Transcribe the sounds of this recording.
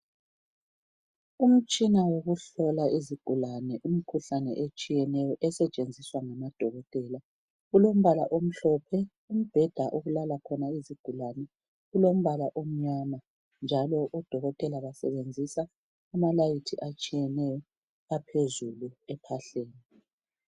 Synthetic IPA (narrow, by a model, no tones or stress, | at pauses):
um̩t͡ʃʼinawoɣuɬɔlaiziɡ̥ʱulanɛʔumikʰuɬanɛ̰ʔet͡ʃʼijɛnɛjɔʔɛsɛt͡ʃʼend͡zʱiswaŋamad̥ʱɔɣɔtʼɛla | ɣulom̩βalaʔom̩ɬɔpʰɛ | um̩b̥ʱɛd̥ʱaʔoɣulalakʰɔnaiziɡ̥ʱulanɛ | ɣulom̩βalaʔom̩ɲama | nd͡ʒʱalɔʔɔd̥ʱɔɣɔtʼɛlaβasɛβend͡zʱisaː | malajitʰiʔat͡ʃʼijɛnɛjɔ | apʰezuluɛpʰaɬeːni